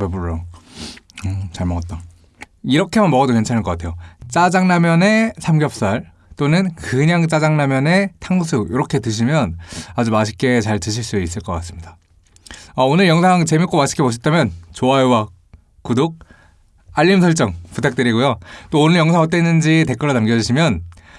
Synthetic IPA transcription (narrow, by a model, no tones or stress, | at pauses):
eboɾo | ʌt͡ɕaɭmʌŋɡʌt͈̚a | iɾʌkʰe̞manmʌɡʌdokwent͡ɕʰanɯɭk͈ʌkatʰe̞jot͡ɕ͈ad͡ʑaŋnamjʌne̞sʰamɡjʌp̚s͈aɭ | t͈onɯnkɯɲaŋt͡ɕ͈ad͡ʑaŋnamjʌne̞tʰaŋs̬ʰujiɾʌkʰe̞tɯɕʰimjʌnad͡ʑumaɕʰi̥k͈e̞t͡ɕaɭtɯɕʰiɭs͈uis͈ɯɭk͈ʌk͈as͈ɯmɲida | aonɯɭjʌŋsʰaŋt͡ɕe̞mik͈omaɕʰi̥k͈epoɕ̬ʰit͈ʰamjʌnt͡ɕoaowa | kudok̚ | aʎːimsʰʌɭt͡ɕ͈ʌŋputʰak̚t͈ɯɾiɡojot͈oːnɯɭjʌŋsʰaŋʌt͈enːɯnd͡ʑite̞k͈ʌɭonamɡjʌd͡ʑiɕʰimjʌn